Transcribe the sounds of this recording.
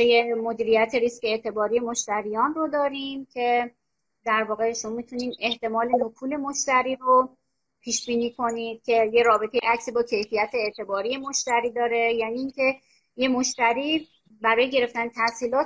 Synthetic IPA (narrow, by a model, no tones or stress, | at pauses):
ejemo̞d̪iːɾijæt̪ʰeɾisceet̪ʰe̞bɒːɾije̞moʃt̪æɾijɒːnrod̪ɒːɾimcʰe̞ | d̪æɾvɒːɣe̞ʃo̞mɒːmit̪ʰuniːme̞ht̪e̞mɒːle̞nokʰuːle̞moʃt̪æɾiːɾo | pʰiːʃbiːniːkʰo̞niːd̪̥̚cʲʰe̞je̞ɾɒːbe̞t̪ʰe̞jeʔæksiːbɒːcʰe̞jfijæt̪ʰe̞ːt̪ʰe̞bɒːɾije̞moʃt̪æɾiːd̪ɒːɾe̞jæːniːŋcʲʰe̞ | je̞moʃt̪æɾiː | bæɾɒːjeɟe̞ɾe̞ft̪ænt̪ʰæsiːlɒːt̪